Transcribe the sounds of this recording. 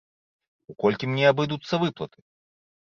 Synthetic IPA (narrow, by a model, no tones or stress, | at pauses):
ukɔlʲkʲimnʲɛabɨd̪ut̪sːɐvɨplˠɐt̪ɨ̥